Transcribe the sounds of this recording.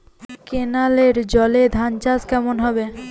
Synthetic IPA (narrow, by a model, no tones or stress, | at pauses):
kenaleɾd͡ʑɔled̪ʱant͡ɕad͡ʑkɛmonɦɔbe